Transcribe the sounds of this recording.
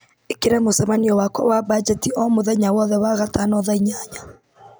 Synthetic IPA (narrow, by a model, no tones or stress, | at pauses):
ekeɾamosɛmaniɔwakwɔ̰wabad͡ʒɛtiʔɔmoðaiɲawɔðɛwaɣatanɔðaiɲaɲa